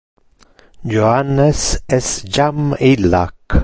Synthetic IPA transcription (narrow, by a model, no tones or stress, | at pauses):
jʊhanəsɛsd͡ʒamila̰k